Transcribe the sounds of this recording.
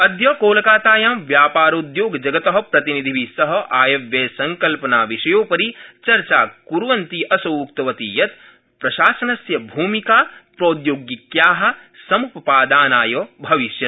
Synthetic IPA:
ɐd̪jɐːkoːlɐkaːt̪aːjaːmʋjaːpaːɾoːd̪joːɡd͡ʒɐɡɐt̪ɐɦɐ̆pɾɐt̪inid̪ʱiʋisɐɦɐ̆ʔaːjɐʋjeːsɐŋkɐlpɐnaːʋiʃɐjoːpɐɾit͡ʃɐɾt͡ʃaːkuɾʋɐnt̪iʔɐsoukt̪ɐʋɐt̪ijɐt̪ | pɾɐʃaːsɐnɐsjɐbʱuːmikaːpɾoːd̪joːɡjikjaːɦɐ̆sɐmukɐpaːd̪aːnaːjoːbʱɐʋiʃjɐt̪

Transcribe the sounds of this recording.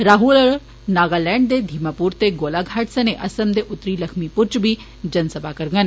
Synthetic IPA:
ɾaːɦul | naːɡaːlɛ̃ːɳɖd̪ed̪ʱimapuːɾt̪eɡoːlaɡʱaːʈsɐneʔɐsɐmd̪eʔʊt̪ːɾiːlɐkʰmipʊɾt͡ʃbʱi | d͡ʒɐnsəbʱaːkɐɾɡən

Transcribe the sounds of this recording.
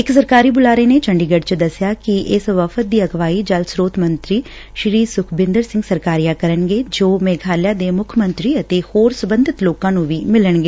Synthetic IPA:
ɪksəɾkaːɾiːbʊlaːɾeːneːt͡ʃəɳɖiːɡəɖt͡ʃəd̪əsːjaːkɪʔɪsʋəpʰət̪̚d̪iːəɡʋaːiːd͡ʒəlsɾoːt̪mənt̪ɾiː | ʃɾiːsʊkʰbɪ̃nd̪əɾsɪ̃ŋɡsəɾkaːɾijaːkəɾənɡeːd͡ʒoːmɛ̃ːɡʱaːljaːd̪eːmʊkʰmə̃nt̪ɾiːət̪eːhoːɾsəbə̃nd̪ʱɪt̪loːkãːnũːʋiːmɪləɳɡeː

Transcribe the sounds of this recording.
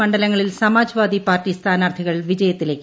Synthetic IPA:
ɐɳɖɐlɐŋːɐɭilsɐmaːd͡ʑʱɐʋaːd̪ipaːkːist̪aːnaːrt̪ʰiɣɐɭʋid͡ʑɐjɐt̪ːileːkː

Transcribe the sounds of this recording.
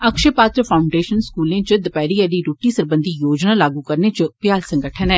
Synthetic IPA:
əkʃepaːt̪ɾəpʰaːʊɳɖeːʃənskuːlẽːt͡ʃəd̪əpɛːɾiːəliːɾoːʈiːsəɾbənd̪ʱiːjoːd͡ʒnaːlaːɡuːkəɾneːt͡ʃəpjaːlsə̃ŋɡəʈʰənɛː

